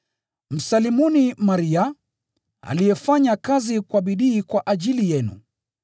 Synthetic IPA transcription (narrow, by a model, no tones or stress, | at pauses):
m̩salimɔnimaɾia | a̰lijɛfaɲakazikwaɓiɗiːkwaʔaʄilijɛnṵ